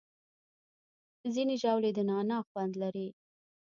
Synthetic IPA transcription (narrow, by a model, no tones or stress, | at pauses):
zineʒɑwled̪ənɑnɑxwand̪laɾi